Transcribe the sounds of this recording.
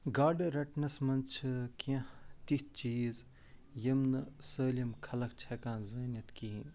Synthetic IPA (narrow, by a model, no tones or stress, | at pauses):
ɡaːɖɾɐʈnɐsmɐnt͡ʃʰkãt̪it̪̚t͡ʃiːz | jɐmnɐsəːlɐmkʰɐlɐk̚t͡ʃʰɐkãːzɐːnjɐt̪kiĩ